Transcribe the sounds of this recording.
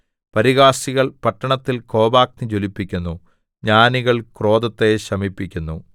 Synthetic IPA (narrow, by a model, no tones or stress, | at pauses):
pɐɾiɣaːsiɣɐɭpɐʈːɐɳɐt̪ːilko̞ːbaːk̚nit͡ɕolipːikʲːunːu | ɲaːniɣɐɭkro̞ːd̪ɐt̪ːeɕɐmipːikʲːunːu